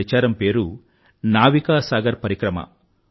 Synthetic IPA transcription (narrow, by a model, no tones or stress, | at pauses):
ɐt͡ʃaːɾɐmpe̞ːɾu | naːʋikaːsaːɡɐɾpɐɾikɾɐmɐ̰